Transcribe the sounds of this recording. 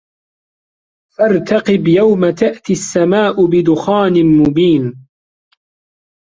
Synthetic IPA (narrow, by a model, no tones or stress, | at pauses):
faɾˤt̪ɑqɪbjawmat̪aʔt̪iasːamaːʔʊbɪd̪ʊxaːnɪmʊbiːn